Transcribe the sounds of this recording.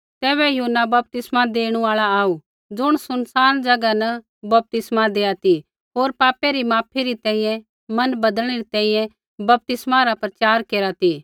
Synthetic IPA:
t̪ɛːβɛjɐɦnːabɐp̚t̪ɪsmad̪eːɽ̃ũaːɭaaːu | d͡ʒʊɽ̃sʊnsaːnd͡ʒɐɡanɐ | bɐp̚t̪ɪsmad̪eːjat̪i | ɦoːɾpaːpeɾimaːpʰiɾit̪ɛ̃ːĩjɛ̃ | mɐnbɐd̪ə̃eɾit̪ɛ̃ːĩjɛ̃ | bɐp̚t̪ɪsmaɾapɾɐt͡ʃaːɾkeːɾat̪iː

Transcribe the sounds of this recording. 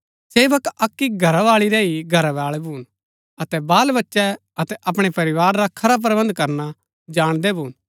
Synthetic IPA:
seːʋəkɐkːiɡʱɐɾaʋaːɭiɾɛiɡʱɐɾaʋaːɭɛbʱuːn | ɐt̪ɛbaːlbɐtːʃɛ | ɐt̪ɛʔɐpɽ̃epɐɾɪʋaːɾːakʰɐɾap̬ɾbɐ̃nd̪kɐɾna | d͡ʒaːɽ̃d̪ɛbʱuːn

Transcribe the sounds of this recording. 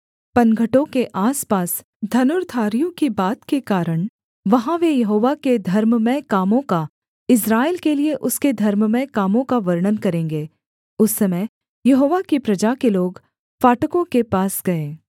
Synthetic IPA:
pɐnɡʱəʈõkeʔaːspaːs | d̪ʱɐnʊɾt̪ʰaːɾijõkibaːt̪kekaːɾəɽ̃ | ʋɐɦãʋejɐɦoːʋaked̪ʱɐɾmmɛ̃kaːmõka | ɪs̬ɾaːɪlkelieʔʊsked̪ʱɐɾmmɛ̃kaːmõkaʋɐɾɳ̃ənkɐɾẽːŋ̆ɡeː | ʊsːɐmə | jɐɦoːʋakipɾɐd͡ʒakeloːɡ | faːʈəkõkepaːsɡɐẽː

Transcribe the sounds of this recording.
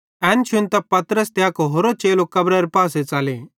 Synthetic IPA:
ɛ̃ːnt͡ʃʰʊnt̪apɐt̪ɾəst̪eakoɦoːɾot͡ʃeːlokɐbɾaɾepaːset͡saːle

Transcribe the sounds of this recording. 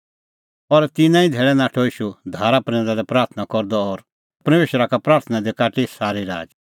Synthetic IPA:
ɔɾt̪ɪnãĩd̪ʱeːɭɛnaːʈʰoɪʃud̪ʱaːɾapɾɛ̃ːdaɾɛpɾaːɾt̪ʰənakɔɾd̪ɔɔɾ | pɾɐmeːʃəɾakapɾaːɾt̪ʰənãd̪ekaːʈisaːɾiɾa̰ːd͡ʒ

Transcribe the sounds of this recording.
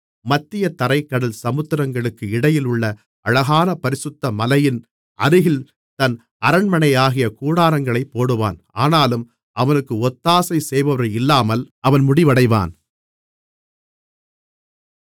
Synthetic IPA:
mɐt̪ːɪjɐt̪ɐɾɐɪkːɐɽɐlsɐmɯt̪ːɪɾɐŋɡɐɭɯkːɯɪɽɐjɪlʊɭːɐ | ʔɐɻɐɣaːnɐpɐɾɪsɯt̪ːɐmɐlɐjɪn | ʔɐɾɯɣɪl | t̪ɐn | ɐɾɐɳmɐɳɐɪjaːɣɪjɐkuːɽaːɾɐŋɡɐɭɐɪpːoːɽɯʋa̰ːn | aːnaːlɯm | ʔɐʋɐnɯkːɯɔt̪ːaːsɐɪsɛjʋɐʋɐɾɐɪlːaːmɐlʔɐʋɐnmʊɽɪʋɐɽɐɪʋa̰ːn

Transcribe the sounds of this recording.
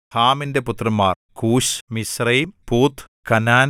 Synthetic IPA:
haːminde̞put̪rɐmːaːrkuːɕmisrɐjmpuːt̪ʰ | kɐnaːn

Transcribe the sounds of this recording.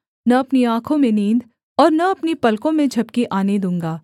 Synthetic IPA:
nɐɐpniãːkʰõmẽnĩːnd̪ | ɔːɾnɐɐpnipɐlkõmẽd͡ʒʱɐb̚kiʔaːned̪ũːŋɡaː

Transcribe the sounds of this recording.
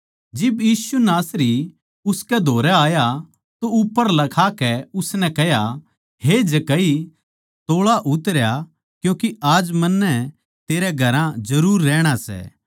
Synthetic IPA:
d͡ʒɪbjiːsunaːsɾi | ʊskɛd̪ʱoːɾɛaːja | t̪oʊpːəɾlɐkʰakɛʊsnɛkɛɦja | ɦed͡ʒɐkɐi | t̪oːɭaʔʊt̪ɾja | kjõːkiaːd͡ʒmɐnːɛ | t̪eːɾɛɡʱɐɾãd͡ʒɐɾuːɾːɛːɽ̃asɛ̰ː

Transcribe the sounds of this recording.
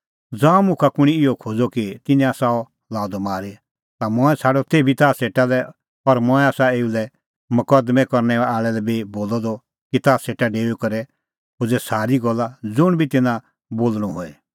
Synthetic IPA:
d͡zãːɔ̃mʊ̃kʰakʊɽ̃iɪɔkʰoːd͡zɔkit̪ɪnɛ̃aːsaɔ | laːɔd̪ɔmaːɾe | t̪amɔ̃ɛsʰaːɖɔt̪ebʱit̪aːseːʈalɛ | ɔɾmɔ̃ːɛ̃aːsaeːulɛ | mʊkɐd̪mɛkɔɾnɛaːɭɛlɛbʱiboːlɔd̪ɔ | kit̪aːseːʈaɖeːukɐɾɛ | ɦʊd͡zɛsaːɾiɡɔlːad͡zʊɽ̃bʱit̪ɪnã | boːlɽ̃ɔ̃ɦoːɛ

